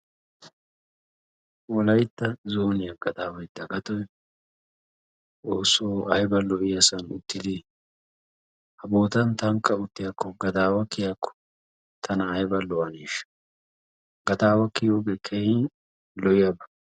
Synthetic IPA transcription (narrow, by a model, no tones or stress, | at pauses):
wɔlɐjt̪ːɐzoːnɪjɐɡɐd̪aːwɐjd̪ɐɡɐt̪ɔj | oːsoːɐjbɐlɔɪjɐsɐnʊ̰t̪ːɪd̪ɪ | hɐboːt̪ɐnt̪ɐŋkːɐʊt̪ːɪjɐkːɔɡɐd̪aːwɐkɪjakːɔ̥ | t̪ʰɐnɐːjbɐlɔwɐneːʃ | ɡ̥ɐd̪aːwɐkɪjoɡekʰɛji | lɔjɪjɐbɐ